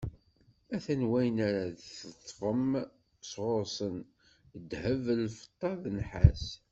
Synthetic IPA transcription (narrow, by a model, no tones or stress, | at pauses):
æθænwæjənæɾaðθət̪ˤːfəm | sʁoɾsən | d̪həvlfə̥t̪ˤːɑðnħa̰s